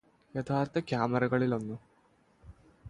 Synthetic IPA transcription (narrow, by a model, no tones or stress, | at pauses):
jɐt̪ʰaːɾt̪ʰɐkjaːmɐɾɐɡɐɭilonːu